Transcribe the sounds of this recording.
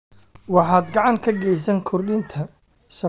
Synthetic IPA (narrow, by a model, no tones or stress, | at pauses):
wɑħaːd̪ɡɑʕɑŋkʰɐɡɛjs̬ɐŋkʰʊrlɪnt̪ʰɐ | sɐ